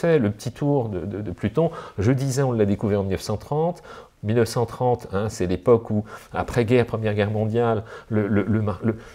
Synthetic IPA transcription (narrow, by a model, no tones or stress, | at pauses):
ɛləpət̪ʰit̪ʰuʁd̪əd̪əd̪əplyt̪ɔ̃ʒəd̪izɛɔ̃lːad̪ekuvʁɛʁɑ̃milnəfsɑ̃t̪χɑ̃t̪ | milnəfsɑ̃t̪χɑ̃t̪ɛ̃sɛlepɔkua̰pχɛɡʲɛʁpχəmjɛʁɡʲɛʁmɔ̃d̪jalːələləmalə